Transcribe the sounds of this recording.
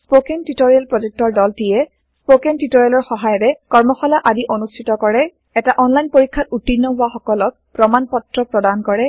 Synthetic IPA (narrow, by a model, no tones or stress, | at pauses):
spokɛntitoɹialpɹɔzek̚tɔɹdɔltijɛ | spokɛntitoɹialɔɹxɔɦajɔɾɛkɔɹmɔxɔlaʔadiʔonustʰitɔkɔɹɛ | ɛtaʔɔnlajnpoɹikʰːatutːinːɔbʊaxɔkɔlɔk̚ | pɹɔmanpɔtɹɔpɹɔdankɔɹɛ